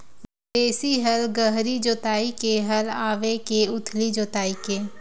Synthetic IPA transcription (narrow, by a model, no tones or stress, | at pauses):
d̪eːsiɦəlɡəɦɾid͡ʒoːt̪aːikeɦəlaːʋekeʊt̪ʰlid͡ʒoːt̪aːikeː